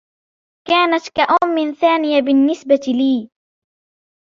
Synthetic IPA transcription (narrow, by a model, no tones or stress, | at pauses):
kaːnat̪kaʔaːmɪnθaːnɪjabɪnːɪsbat̪liː